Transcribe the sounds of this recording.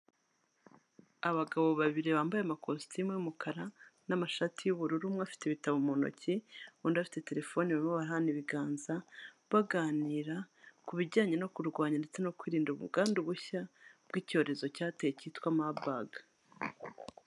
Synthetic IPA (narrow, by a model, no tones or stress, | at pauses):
aβaɡaβo̞βaβiɾeβaːmbajeamakostimeumukʰaɾanamaʃatijuβuɾuɾumŋafi̥teβitaβumono̞̰ceuːndafi̥te̞te̞ɾe̞fo̞niβaɾimoβaɾaniβiɡaːnza | βaɡaːniːɾakuβiɟaːɲe̞no̞kuɾɡwaːɲande̞t͡se̞no̞kwiːɾiːnduβṵɡaːnduβuçabɡico̞ːɾe̞zo̞caːtejecitkwamabaɡḁ